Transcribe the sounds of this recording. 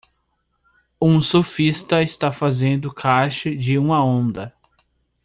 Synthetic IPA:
ũsofist̪ɐɪst̪afazẽnd̪ʊkʰaʃɪd͡ʒɪũmɐõnd̪ɐ

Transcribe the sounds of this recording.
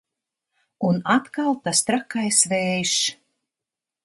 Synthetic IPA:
unat̪kalˠt̪ast̪ɾakajsvɛːjʃ

